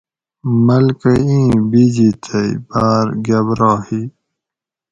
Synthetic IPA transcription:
mɐlkəĩːbid͡ʑit̪ʰəibaːɾɡɐbɾaːhi

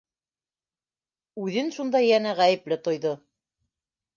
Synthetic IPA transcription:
ʉðɘnʃund̪ɑjænæʁæjɘ̆plɘt̪ŏjðo

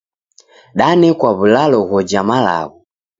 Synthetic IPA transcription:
ɗanɛkwaβulalɔɣɔd͡ʒamala̰ɣu

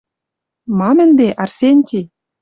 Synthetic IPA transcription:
mɑmɘ̆nd̪eʔɑrsʲenʲtʲi

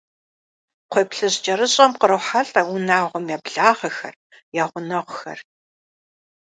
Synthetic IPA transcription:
qʷʰeːpɬɨʑd͡ʒʼɐɾɨɕʼɐmqəɾɨħaɬʼɐʊnaːʁʷɔmjaːbɮaːʁɐxɐ̰r | jaːʁʷʊnɐʁʷxɐ̰r

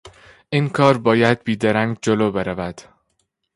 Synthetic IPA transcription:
ʔiːnkʰɒːɾbɒːjæd̪̚biːd̪eɾæŋɡd͡ʒoloːbe̞ɾævæd̪̥

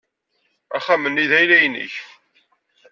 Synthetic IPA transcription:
æχæmːənːiðæjlæjənːə̰ç

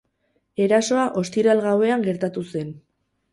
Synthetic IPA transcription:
e̞ɾaso̞aʔo̞st̪iɾalɣawe̞aŋɡe̞ɾt̪at̪use̞n

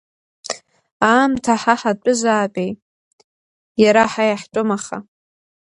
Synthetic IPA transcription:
aːmtʰaħaħat͡pʷʼʊzaːpʼej | jaɾaħajaħʈ͡ʂʷʼʊmaχa̰

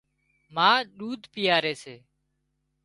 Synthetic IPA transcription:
mãːɗuːd̪ʱpɪjaːɾeːseː

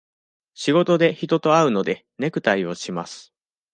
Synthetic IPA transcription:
ɕiɡo̞t̪o̞d̪e̞çit̪o̞t̪o̞aɯ̟no̞d̪e̞ | ne̞kɯ̟t̪aio̞ɕima̰sɨ̥

